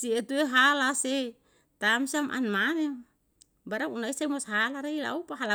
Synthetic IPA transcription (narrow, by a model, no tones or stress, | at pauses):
siet̪ueɦalase | t̪amsiamʔa̰nmane | baɾaŋunaisaimɔsɦalaɾeila̰upaɦala